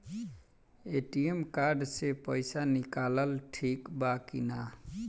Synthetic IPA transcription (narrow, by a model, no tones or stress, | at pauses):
eʈiemkaɾɖsepəɪsanikaləlʈʰikbakina